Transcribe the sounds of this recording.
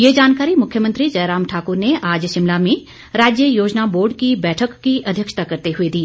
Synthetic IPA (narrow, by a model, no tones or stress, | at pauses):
jeːd͡ʒaːnkaːɾimʊkʰjəmə̃nt̪ɾid͡ʒɐːɾaːmʈʰaːkʊɾneʔaːd͡ʒʃɪmlamẽ | ɾaːd͡ʒjəjoːd͡ʒnaboːɾɖkibɛːʈʰəkːiʔɐd̪ʱjəkʃt̪akɐɾt̪eɦʊed̪iː